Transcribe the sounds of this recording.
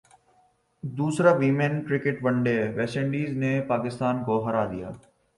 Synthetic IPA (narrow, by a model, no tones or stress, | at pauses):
d̪uːsɾaːʋiːmenkɾɪkɪʈʋɐ̃ɳɖeːʋɛːsə̃ɳɖiːznepaːkɪst̪aːnkoːɦɐɾaːd̪ija̰ː